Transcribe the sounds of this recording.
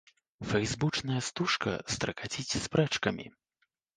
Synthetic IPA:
fɛjzbut͡ʂnɐjɐst̪uʂkɐ̰st̪ɾɐkat͡sʲit͡sʲspɾɛt͡ʂkɐmʲḭ

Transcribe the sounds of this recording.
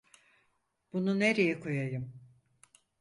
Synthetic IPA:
b̥unune̞ɾejɛkʰojajɯm

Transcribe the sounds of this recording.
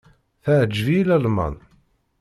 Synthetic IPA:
θəʕəd͡ʒːvilælmɑ̰n

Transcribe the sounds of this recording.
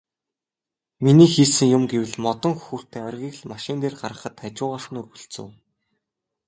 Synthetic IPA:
miniːxiːsɘ̆ŋjʊmɡewɘ̆ɮmɔt̪ɞ̆ŋxxuːr̥t̪ʰeːœrʲɣʲiːɣɮmaʃɪ̆nt̪eːrɢarʁə̆χə̆t̪ʰat͡ɕʊːʁaːʃə̆nɵrɣɵ̆ɬt͡sɵ̰̆w

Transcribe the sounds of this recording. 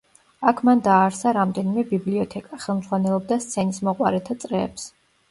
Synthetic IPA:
akʰmand̪aːɾsaɾamd̪ɛnimɛbibliɔt̪ʰɛkʼaχɛlˠmdz̥ʁwanɛlˠɔb̚d̪ast̪sʰɛnismɔqʼwaɾɛt̪ʰat̪sʼɾɛːps

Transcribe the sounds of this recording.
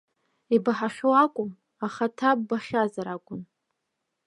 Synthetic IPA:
ibaħaχʲowakʷʼʊm | aχatʰabbaχʲazaɾakʷʼʊn

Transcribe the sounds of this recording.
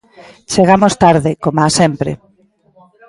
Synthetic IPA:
t͡ʃeɣamost̪aɾðɪkomasɛmpɾḛ

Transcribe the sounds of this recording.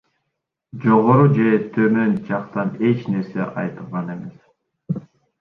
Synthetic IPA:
d͡ʒoʁoɾud͡ʒe̞t̪ʰømø̞nd͡ʒɑqt̪ɑne̞t͡ʃne̞ɾse̞̰ʔɑ̰jt̪ɯlˠʁɑne̞me̞s

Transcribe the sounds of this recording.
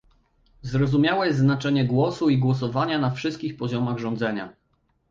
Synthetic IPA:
zɾɔzumʲjawɛjɛzznat͡ʂɛɲɛɡwɔsuiɡwɔs̬ɔvaɲanafʂɘst̪̚kʲixpɔʑɔmaɣʐɔ̃nd̪zɛɲa

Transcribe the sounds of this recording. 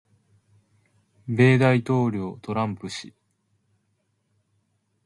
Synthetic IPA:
be̞ːd̪ait̪o̞ːɾʲo̞ːt̪o̞ɾãmpɯ̟ɕi

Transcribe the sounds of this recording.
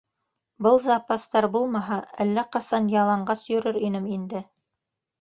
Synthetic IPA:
bɤlˠzɑpast̪ɑɾbulˠmɑɦɑælːæqɑsɑnjɑlˠɑɴɢɑsjɵ̆ɾɘɾinɘmind̪ɘ

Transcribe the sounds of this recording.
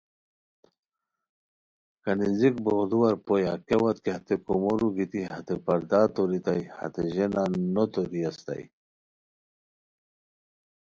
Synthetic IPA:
kɐninzik̚boɣd̪uwɐɾpojakewat̪̚kehat̪ekomoɾuɡit̪iɦɐt̪epɐɾd̪at̪oɾit̪ajhɐ̰t̪eʑenanot̪oɾiɐst̪a̰j

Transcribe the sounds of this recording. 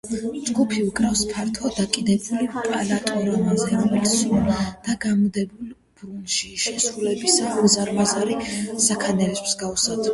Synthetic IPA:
d͡ʒɡupʰiukʼɾafspʰaɾt̪ʰɔd̪akʼid̪ɛbulipʼalat̪ʼɔɾɔmazɛɾɔmɛlisuld̪̥aɡamd̪ɛbul | b̥ɾunʃiʃɛsɾulɛbisaɡzaɾmazaɾisakʰanɛlɛspsɡausad̪

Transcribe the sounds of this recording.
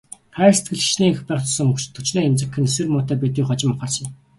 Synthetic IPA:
χæːrset̪ɡɘ̆ɮi̥ʃniːexpæːχt̪ɔsə̆ŋɵkt͡ɕt̪ʰːɵt͡ɕneːemt͡sɘ̆kʰːɘ̆nesɘ̆rmʊːt̪æːpet̪iːχɔt͡ɕɪ̆mːʊχə̆rsɞ̆

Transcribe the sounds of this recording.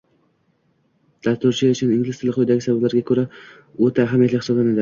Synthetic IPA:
d̪̥ast̪ʊɾt͡ʃʰɪʊt͡ʃʰɪnɪŋɡʲlɪst̪ʰɪlɪqʰojd̪aɡʲɪsabablaɾɡʲakʰɵɾa | ɵt̪ʰaːɦamjat̪lɪkʲhɪ̥sɒblˠanad̪ɪ

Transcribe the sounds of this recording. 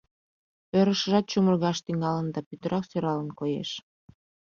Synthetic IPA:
øɾəʃəʒɑt̪̚t͡ɕumərɣɑʃt̪iŋɑlənd̪ɑpyt̪əɾɑksøɾɑlənkojḛʃ

